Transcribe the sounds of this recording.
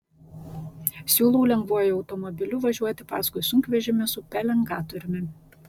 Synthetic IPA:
sʲuːlˠuʊlʲɛŋɡʋuɔjɪɒʊt̪ɔmɔbʲɪlʲʊʋɐʒʲuɔt̪ʲɪpɑ̰ːskʊɪsʊŋʲkʋʲɛʒʲɪmʲɪsʊpʲɛlʲɛŋɡɑːt̪ɔɾʲɪmʲɪ

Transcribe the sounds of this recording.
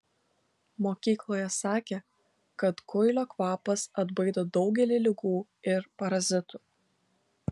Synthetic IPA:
moːkʲiːklˠoːjɛsɑːkʲeː | kɐt̪kʊɪlʲoːkʋɑːpɐsɐd̪bɐɪd̪oːd̪ɒʊɡʲɛlʲɪlʲɪɡuː | ɪɾpɐɾɐzʲɪt̪uː

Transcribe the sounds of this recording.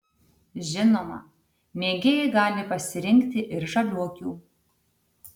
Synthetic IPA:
ʒʲɪnoːmɐ̰ | mʲeːɡʲeːjɛɡɑːlʲɪpɐsʲɪɾʲɪŋʲkt̪ʲɪʔɪɾʒɐlʲuɔkʲuː

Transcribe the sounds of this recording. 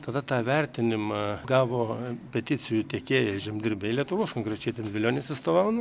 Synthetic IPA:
t̪ɐd̪ɐt̪ɑːʋʲɛɾʲt̪ʲɪnʲɪmɑɡɑːʋoːpʲɛt̪ʲɪt͡s̪ʲɪjʊt̪ʲeːkʲeːjɛʒʲɪmʲd̪ʲɪɾʲbʲɛɪlʲiɛt̪ʊʋoːskoːŋkɾʲɛt͡ʃʲɛɪt̪ʲɛnʋʲɪlʲoːnʲeːsʲɪst̪oːʋɐʊnɐ

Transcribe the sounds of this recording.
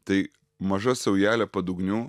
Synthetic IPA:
t̪ɐɪ | mɐʒɐsɐʊjæːlʲɛpɐd̪ʊɡnʲuː

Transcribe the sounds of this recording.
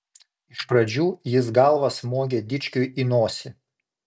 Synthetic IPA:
ɪʃpɾɐd͡ʒʲuːjɪsɡɑlˠʋɐsmoːɡʲeːd̪ʲɪt͡ʃʲkʲʊjʔinoːsʲɪ

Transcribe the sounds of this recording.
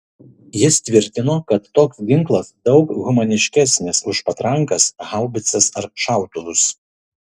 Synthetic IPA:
jɪst̪ʲʋʲɪɾʲt̪ʲɪnoːkɐt̪ːoːksɡʲɪŋklˠɐsd̪ɒʊkɣʊmɐnʲɪʃʲkʲɛsʲnʲɪsʊʃpɐt̪ɾɐŋkɐsɣɑˑʊbʲɪt̪sʲɛsɐɾʃɑˑʊt̪ʊʋʊs

